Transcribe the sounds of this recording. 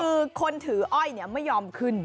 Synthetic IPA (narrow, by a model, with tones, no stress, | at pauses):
ɯː˧kʰo˧nt̪ʰɯː˩˦ʔɔ˥˩jni˥˩ɐma˥˩jːɔː˧mkʰɯ˥˩n